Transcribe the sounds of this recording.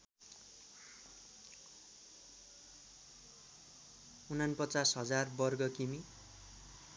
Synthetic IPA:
unʌnpʌt͡sasɦʌd͡zarbʌrɡʌkimi

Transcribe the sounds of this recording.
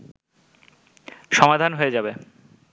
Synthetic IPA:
ʃɔmad̪ʱanɦoed͡ʑabe

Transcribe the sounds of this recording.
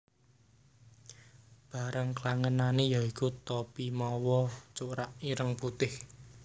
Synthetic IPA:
b̥a̤ɾəŋklaŋənanejaikut̪ːopimɔwɔt͡ʃuɾaʔiɾəŋput̪ɪh

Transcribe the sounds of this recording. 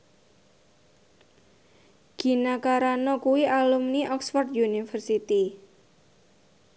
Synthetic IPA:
ɡ̥i̤nakaɾanɔkuwiʔalumniʔɔksfɔrt̪junifərsit̪i

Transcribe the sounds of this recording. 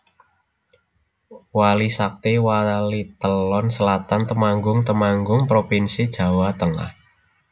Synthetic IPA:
walisak̚t̪ewalit̪əlɔnsəlat̪ant̪əmaŋɡʊŋt̪əmaŋɡʊŋpɾopinsid̥ʒ̥ä̤wat̪əŋa̰h

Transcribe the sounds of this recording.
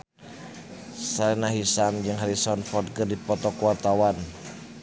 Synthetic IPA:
salinaɦisamd͡ʒɨŋɦaɾisɔnfɔrd̪̚kɨrdipɔt̪ɔkuat̪awan

